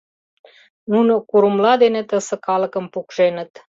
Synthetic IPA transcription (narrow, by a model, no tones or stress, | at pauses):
nunəkuɾumlɑd̪enet̪əsə̆kɑləkə̆mpukʒenə̆t̪